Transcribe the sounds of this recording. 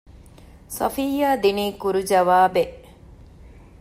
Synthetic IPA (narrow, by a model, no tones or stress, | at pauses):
sɐ̰fiːjaːd̪iniːkuɾud͡ʒɐʋaːbeʔ